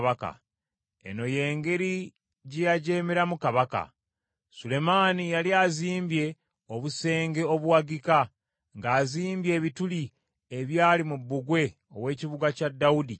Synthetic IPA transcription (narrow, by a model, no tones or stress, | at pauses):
βaka̰ | e̞̰no̞je̞ːŋɡe̞ɾi | ɟejaɟeːmeɾamukaβaka̰ | sule̞maːnijaliaːziːmbje̞ | o̞βuse̞ːŋɡe̞o̞βuwaɡika | ŋɡaːziːmbje̞ːβituli | eβjaːlimubːuɡwe̞ | o̞̰we̞ːciβuɡacadːaudi